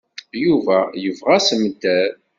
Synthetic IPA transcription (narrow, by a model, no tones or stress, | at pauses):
juvæjəvʁæsəmd̪ːæɾ